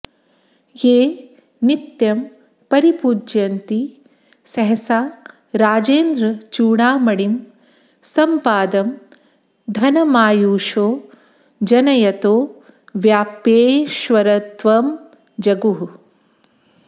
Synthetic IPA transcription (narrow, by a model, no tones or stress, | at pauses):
jeː | nit̪jɐm | pɐɾipuːd͡ʒjɐnt̪i | sɐɦɐsaː | ɾaːd͡ʒeːnd̪ɾɐt͡ʃuːɳaːmɐɽim | sɐmpaːd̪ɐm | d̪ʱɐnɐmaːjuːʂoː | d͡ʒɐnɐjɐt̪oː | ʋjaːpeːʃʋɐɾɐt̪ʋɐm | d͡ʒɐɡuɦu